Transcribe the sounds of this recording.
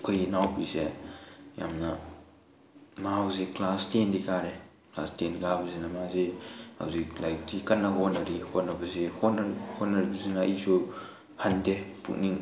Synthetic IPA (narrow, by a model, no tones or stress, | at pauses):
kʰɯjnawbise | ja̰mna | mahawziklastendikʰaɾe | klastenkabɐzinamaziha̰wziklaj̚tikɐnːaɡɔtnːɐɾihotnɐbɐzihɔtnhotnːaɾibɐzinaisu | handepʰṵk̚niŋ